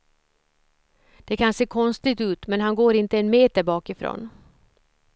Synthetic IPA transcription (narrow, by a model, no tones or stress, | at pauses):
d̪̥ɛkʰanseːkʰɔnst̪ɪɡt̪ʉ̟ːt̪mɛnɦanɡoːɾɪnt̪əɛnmeːt̪əɾbɑːkɪfɾo̰ːn